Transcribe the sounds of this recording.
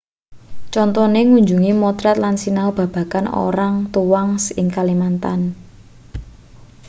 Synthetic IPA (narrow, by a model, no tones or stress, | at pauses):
t͡ʃɔnt̪ɔneŋuɲd͡ʒuŋimɔt̪ɾɛt̪̚lansinaob̥ä̤b̥a̤kano̰ɾaŋt̪uwaŋsɪŋkalimant̪an